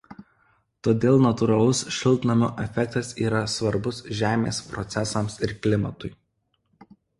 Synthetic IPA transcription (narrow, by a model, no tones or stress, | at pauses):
t̪oːd̪ʲeːlˠnɐt̪ʊɾɐlˠʊsʃʲɪlˠt̪ʲnɐmʲoːʔɛfʲɛk̚t̪ɐsiːɾɐsʋɐɾbʊsʒʲæːmʲḛːspɾɔt̪sʲɛsɐmsɪɾklʲɪmɐt̪ʊɪ